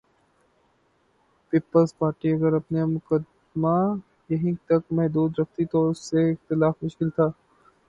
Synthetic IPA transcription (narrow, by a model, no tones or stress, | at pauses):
piːpəlzpaːɾʈiɐɡəɾɐpnjmʊkəd̪ | ma | jɐɦĩt̪ɐkmɛɦd̪uːd̪ɾɐkt̪it̪oʊseɪxt̪ɪlaːfmʊʃkɪlt̪ʰaː